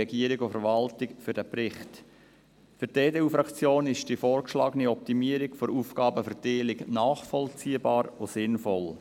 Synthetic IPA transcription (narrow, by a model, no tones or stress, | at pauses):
ɛɡiəɾɪɡofəɾʋɑltɪkfʏɾd̥æpɾɪχt | fʏɾteːdeːufɾɑkt͡sjoːnɪʃd̥ifɔːrkʃlɑːɡəniɔp̚timiəɾɪkfoɾuːfkɑːbəfəɾteːlɪknɑːχfɔlt͡siəbɑːɾosɪnfɔl